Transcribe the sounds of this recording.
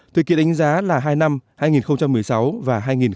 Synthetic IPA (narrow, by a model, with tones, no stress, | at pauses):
t̪ʰɨ˨˩kḭ˧ənɗa˨˦ŋ̟zaː˨˦laː˨˩ɦaː˧jna˧mhaː˧jŋi˨˩nxə˧wŋ͡mt͡ɕa˧mːɨ˨˩əjsa˨˦wvaː˨˩ɦaː˧jŋi˨˩n